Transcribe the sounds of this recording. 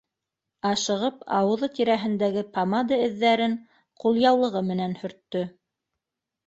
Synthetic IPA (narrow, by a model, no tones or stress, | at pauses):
ɑʃɤ̆ʁɤpɑ̰wɤ̆ðɤt̪iɾæɦɘ̆nd̪æɡɘpamad̪aɘ̆ðːæɾɘŋ | qulˠjɑwlˠɤ̆ʁɤmɘ̆nænhɵ̆ɾt̪ːɵ